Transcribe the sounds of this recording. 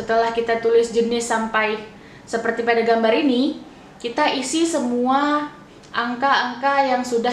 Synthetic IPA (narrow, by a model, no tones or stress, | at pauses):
sət̪əlahkit̪at̪ulɪsd͡ʒənɪsːampaj | səpərt̪ipadaɡambaɾini | kit̪aʔisisəmua | ʔaŋkaːŋkajaŋsuda